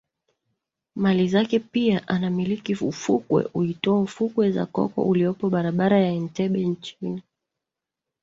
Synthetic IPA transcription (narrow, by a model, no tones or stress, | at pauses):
malizakɛpiaʔanamilikiufukwɛ̰ʔuitɔaufukwɛza̰kɔ̰kɔ̰ʔuliɔpɔɓaɾaɓaɾajaɛn̩tɛɓɛnt͡ʃini